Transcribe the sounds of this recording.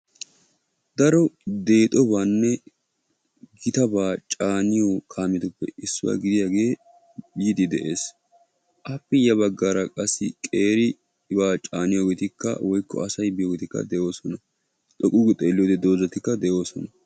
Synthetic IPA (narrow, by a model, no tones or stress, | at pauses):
d̪ɐɾɔd̪e̞ːt̪ʼɔbaːnːɛ | ɡɪt̪ɐbaːt͡ʃʼaːnɪjokʰaːmɪt̪ʊpːɛ̰ɪsːʊwa̰ːɡɪd̪ɪjaːɡe̞ː | jɪd̪ɪd̪ɛʔeːs | ʔɐpːɪjɐβɐɡːaːɾɐkʼɐsːɪ̰kʼe̞ːɾɪ | baːt͡ʃʼaːnɪjoːɡɛt̪ɪkːɐ̰wʔɔjkːɔ̰ɐsɐjbɪjoːɡɛt̪ɪkːɐ̰d̪ɛʔo̞ːsɔnɐ | t̪ʼɔkʼuːɡɪt̪ʼeːlːɪjoːd̪ɛd̪o̞ːzɐt̪ːɪkːɐd̪ɛʔo̞ːsɔnɐ